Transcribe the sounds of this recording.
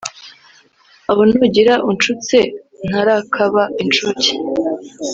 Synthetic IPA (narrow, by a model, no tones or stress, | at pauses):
aβonuɟiɾaʔunt͡ʃut͡se | n̥aɾakʰaβaʔint͡ʃuci̥